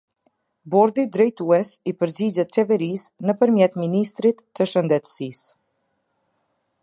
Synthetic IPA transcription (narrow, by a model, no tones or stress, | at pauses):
bɔɾd̪id̪ɾɛjt̪uɛsipəɾd͡ʑid͡ʑɛt̪̚t͡ɕɛvɛɾisnəpəɾmjɛt̪minist̪ɾit̪ːəʃənd̪ɛt̪sis